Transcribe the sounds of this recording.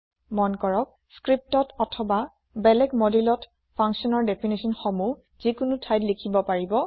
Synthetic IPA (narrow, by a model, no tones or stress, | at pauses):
mɔnkɔɹɔk̚ | skɹip̚tɔtɔtʰɔba | bɛlɛɡmɔdilɔt | pʰɔŋksɔnɔɹdɛpʰinisɔnxɔmu | z̥ikʊnʊtʰajtlikʰibɔpaɹibɔ